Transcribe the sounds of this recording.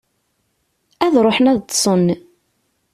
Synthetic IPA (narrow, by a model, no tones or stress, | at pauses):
æðɾˤoħənæðt̪ːsˤən